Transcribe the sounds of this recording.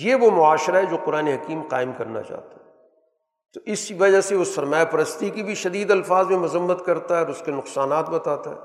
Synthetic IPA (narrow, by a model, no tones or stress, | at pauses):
jeʋomʊaːʃɾaɦɛd͡ʒoːqʊɾaːneɦɐkiːmqa̰ːɪmkɐɾna̰t͡ʃa̰ːɦt̪aɦɛ | t̪oʔɪsʋɐd͡ʒaseʊsɐɾmaːjepɐɾəst̪ikibʱiʃɐd̪iːd̪ɐlfaːzmẽmʊzəmːət̪kɐɾt̪aɦɛɔɾʊskenʊqsaːnaːt̪̚bɐt̪aːt̪a̰ɦɛ̰ː